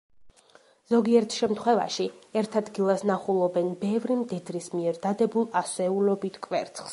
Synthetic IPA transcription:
z̥ɔɡiɛɾt̪ʰʃɛmt̪ʰχwɛva̰ʃiɛɾt̪ʰad̪ɡilˠasnaχulˠɔbɛnbɛvɾimd̪id̪ɾismiɛɾd̪̥ad̪ɛbulˠasɛulɔbit̪ʰkʼvɛ̰ɾt̪sʰχs

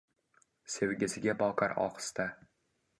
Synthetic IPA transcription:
se̞wɡʲɪsɪɡʲabɒqʰaɾɒ̰qɨ̥st̪a

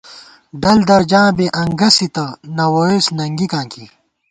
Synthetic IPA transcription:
ɖɐld̪ɐɾd͡ʑãːbeʔɐŋɡɐsit̪ɐnɐwoesnɐŋɡikãːki

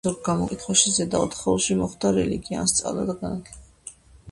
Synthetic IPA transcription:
uɾɡamɔkʼit̪ʰχwaʃizɛd̪aɔt̪χɔlˠʃimɔχd̪aɾɛliɡia̰nst̪sʼa̰vla̰d̪aɡanat̪ʰlɛɛb̥

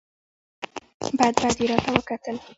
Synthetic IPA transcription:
bɑjad̪bajd̪iɾɑt̪awəkat̪əl

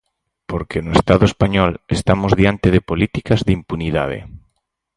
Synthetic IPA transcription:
poɾkenoest̪aðoespaɲɔlest̪amozðjant̪eðepolit̪ikazðimpuniða̰ð̞ḛ

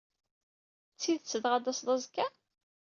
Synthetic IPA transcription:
t͡sːiðt͡sːəðʁɑd̪ɑsðˤɑzkːæ

